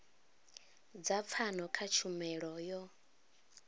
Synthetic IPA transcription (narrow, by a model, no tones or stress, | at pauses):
d͡zap̪fʰanɔkʰat͡ʃʰumɛɺɔjɔ